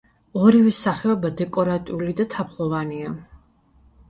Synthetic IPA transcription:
ɔɾivɛsaχɛɔbad̪ɛkʼɔɾat̪ʼiulid̪at̪ʰapʰlˠɔvania

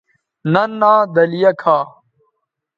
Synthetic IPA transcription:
nɐnːaːd̪ɐlijɐkʰaː

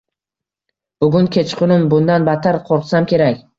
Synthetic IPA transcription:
b̥ʊɡʲʊŋkʲʰe̞t͡ʃqʰʊnɪmbʊnd̪anbat̪ʰaɾqʰoɾqsamkʲʰe̞ɾakʲ

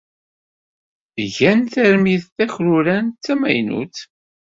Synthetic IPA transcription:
ʝænθæɾmiðθæçɾuɾænt̪ːæmæ̰jnṵt͡s

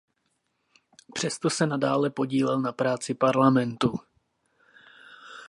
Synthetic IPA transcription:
pr̝̥ɛst̪o̞sɛnadaːlɛpo̞ɟiːlɛlnapɾaːt͡sɪpaɾlamɛnt̪u

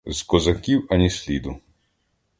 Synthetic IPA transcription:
zkɔzɐkʲiwɐnʲisʲlʲid̪ʊ

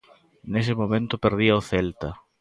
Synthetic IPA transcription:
nes̬ɪmomẽnt̪ʊpeɾðiɐoθelt̪ɐ

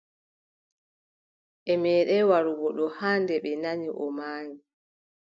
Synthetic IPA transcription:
ʔɛmɛːɗɛwaɾuɡɔɗɔhaːndɛɓɛnaɲiʔɔmaːɲi

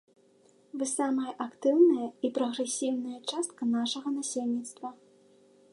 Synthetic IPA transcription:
vɨsamɐjɐʔakt̪ɨwnɐjɐipɾɐɣɾɛsʲiwnɐjɐt͡ʂast̪̚kɐnaʂɐɣɐnasʲelʲnʲit̪st̪vɐ

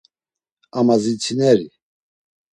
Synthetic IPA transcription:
amazit͡sʰinɛɾi

